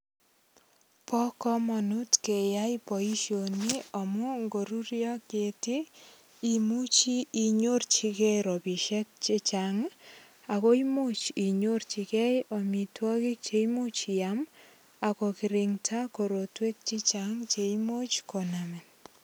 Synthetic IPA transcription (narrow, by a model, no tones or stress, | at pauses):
pɔkɔmɔnutkejajpɔiʃjoniɔmuŋɡoɾurjɔketi | imut͡ʃiːɲort͡ʃikɛɾopiʃɛk̚t͡ʃet͡ʃaŋ | akoimot͡ʃiɲort͡ʃikɛjɔmitwɔkik̚t͡ʃeimut͡ʃijam | akɔkiɾiŋtʰakoɾotwek̚t͡ʃit͡ʃaŋt͡ʃeimot͡ʃkonamɛn